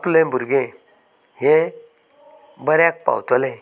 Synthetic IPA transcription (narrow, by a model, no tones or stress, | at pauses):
plẽbʱuɾɡẽ | ɦẽ | bəɾjãk̚pa̰wt̪ɔlẽ